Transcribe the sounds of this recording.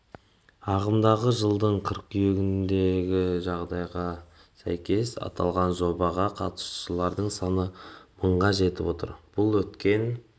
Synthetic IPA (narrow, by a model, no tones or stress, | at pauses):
ɑʁəmd̪ɑʁəʒəlˠd̪əɴqʰəɾqʏjeɡʲɪnd̪e̞ɡʲɪʒɑʁd̪ɑjʁɑ | sæ̰jkʲe̞sɑ̰t̪ʰɑ̰lˠʁɑnʒo̞bɑʁɑqʰɑt̪ə̥sʃəlˠɑɾd̪əɴsɑnəməɴʁɑʒe̞t̪ɪ̰po̞t̪ə̰ɾb̥ʊlˠwɵt̪kʲe̞n